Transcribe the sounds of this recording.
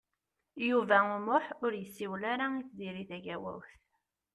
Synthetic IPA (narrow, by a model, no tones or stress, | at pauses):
juvæʊmʊħʊɾjəsːiwlaɾait͡sːd̪iɾiθæʝæwæ̰wθ